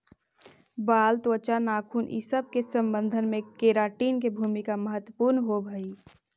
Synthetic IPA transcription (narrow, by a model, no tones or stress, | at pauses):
baːlt̪ət͡ʃanaːkʰuːnʔḭsəb̚kesə̃mbə̃nd̪ʱənmẽkeɾaːʈiːnkebʱuːmikaməɦət̪ːwəpuːɾnɦobʱəi